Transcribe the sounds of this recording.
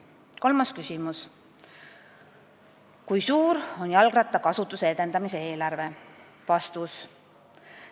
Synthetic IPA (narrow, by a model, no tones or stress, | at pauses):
ko̞lmɑskysimus | kujsuːɾo̞njɑlɡ̥rɑt̪ːˑɑkɑsut̪ːˑuseed̪̥e̞nd̪̥ɑmise̞e̞ːlɑrve̞ | vɑst̪us